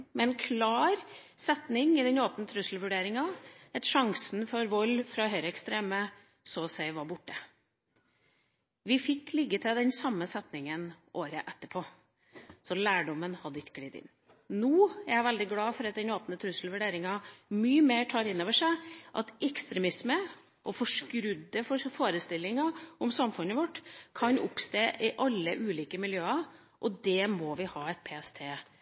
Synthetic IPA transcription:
mɛɛnkʰlɑːɾ | sɛt̪nɪŋɪd̪ɛɲoːpnət̪ʰɾʉsl̩ʋʉɖeːɾɪŋɑɛt̪ʂɑŋsn̩fɔɾʋɔlːfɾɑhœʏɾəɛkst̪ɾeːmə | soːsæɪʋɑbʊʈːə | ʋɪfɪkːlɪɡːət̪ʰɪld̪ɛnsɑmːəsɛt̪nɪŋənʔoːɾəʔɛt̪ːəpʰoː | sɔlæːɖɔmənhɑd̪ːəɪt̪ːɡ̥ɽiːd̪ɪ̰n | nuːæɾjæɪʋɛld̪ɪɡlɑːfɔɾɑt̪̚d̪ɛnoːpnət̪ʰɾʉsəlʋʉɖeːɾɪŋɑmyːəmeːʈʰɑːɾɪnːoːʋəʂæɪʔɑ̰t̪ɛkst̪ɾɛmɪsmə | ʔɔfɔʂkɾʉd̪ːəfɔfoːɾəst̪ɪlːɪŋɑɔmsɑmfʉnːəʋɔʈːkʰɑnʔʊ̰pst̪eːʔɪʔɑlːəʔʉːliːkəmɪljøːɑ | ʔɔd̪ɛmɔʋɪhɑːɛt̪̚pʰeːɛst̪ʰeː

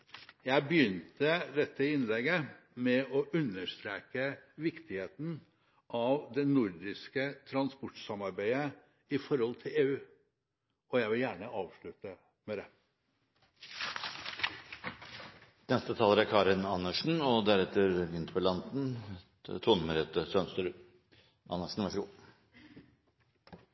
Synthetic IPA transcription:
jæɪbəjʏnt̪əd̪ɛt̪ʰːəɪnlɛɡə | mɛʔɔʔʉnːəʂt̪ɾeːkəʋɪkt̪ɪheːt̪n̩ | ʔɑʋd̪ɛnʊɾd̪ɪskət̪ʰɾɑnspɔʈsɑmɑɾbæɪə | ɪfɔɾhɔlt̪ʰɪleːʉː | ɔjæɪʋɪljæːɳəʔɑːʋʂɭʉt̪ə | mɛd̪ɛ | nɛst̪ət̪ʰɑːləɾæɾkʰɑːɾɪnɑnːəʂn̩ɔd̪æɾɛt̪ːəɾʋɪnt̪ʰpɔlɑnt̪n̩ | t̪ʰʊːnməɾɛt̪əsœnst̪əɾ | ʔɑ̰nːəʂɳn̩ʋæʂəɡuː

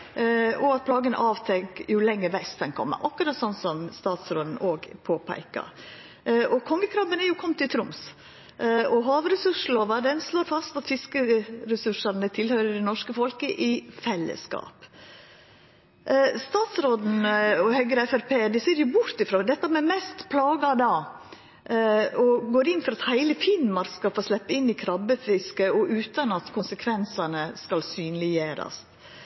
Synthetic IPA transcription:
ɔɑt̪̚pʰlɑːɡən̰ʔɑːʋt̪ʰɛŋkjʊlɛŋːəʋɛst̪̚d̪ɛnkʰɔ̰mːə̰ʔɑkːʉɾɑt̪sɔnsɔmst̪ɑːt̪sɾoːd̪n̩oːɡpʰoːpʰæ̰ɪkɑ̰ | ʔɔkʰɔŋːəkʰɾɑːbənæɾjʊkʰɔmt̪ʰɪt̪ʰɾʊms | ʔɔɦɑːʋɾɛsʉʂ̩oːʋɑd̪ɛnsloːɾfɑst̪ɑt̪fɪskəɾɛsʉʂɑɾnət̪ʰɪlhœʏɾəɖ̪ɛnɔʂkəfɔlkəʔɪfɛlːə̰skɑ̰ːp | st̪ɑːt̪sɾoːd̪n̩ɔhœɡəɾɛfæɾpeːd̪ɪseːɾjʊbʊɾt̪ɪfɾoːd̪ɛt̪ːɑmɛmɛst̪pʰlɑːɡɑd̪ɑ | ɔɡoːɾɪnːfɔɾɑt̪hæɪləfɪnmɑɾskɑlfoːɾslɛpːəɪnːikʰɾɑbəfɪskəɔʔʉːt̪ɑnɑt̪kʰʊnsəkʰʋɛnsɑnəskɑlsyːnlɪjøːɾɑ̰st̪

